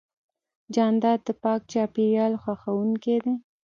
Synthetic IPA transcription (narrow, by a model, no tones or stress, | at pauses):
d͡ʒɑnd̪ɑd̪̚d̪əpɑk̚t͡ʃɑpiɾjɑlxwaxawuŋked̪e